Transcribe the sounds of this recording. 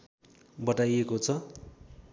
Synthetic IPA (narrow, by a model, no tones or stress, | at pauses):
bʌʈajekot͡sʰʌ